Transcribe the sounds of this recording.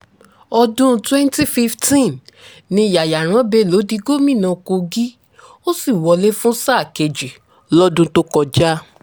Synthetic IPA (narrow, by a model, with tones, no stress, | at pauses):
ɔ˧dũ˦˧twɛ˦nti˦fi˦ftĩ˦˨n | nĩ˧˨ja˨ja˨ɾ̃ã˨˦be˧˦˨lo˨˦di˨˧˦ɡo˦˨mĩ˦˨nã˨˧ko˧ɡi˦ | o˦si˦˨wɔ˧˦le˦fũ˦sa˦˨ke˧d͡ʒi˨ | lɔ˦dũ˦to˦kɔ˧d͡ʒa˦